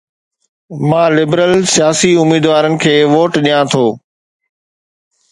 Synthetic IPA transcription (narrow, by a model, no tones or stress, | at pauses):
mãːlɪbɾəlsɪjaːsiʊmiːd̪ʋaːɾənɪ̆kʰeːʋoːʈɗijãːt̪ʰoː